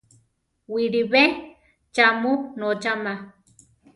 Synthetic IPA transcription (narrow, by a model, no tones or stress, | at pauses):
wiɾiβe | t͡ʃamunot͡ʃama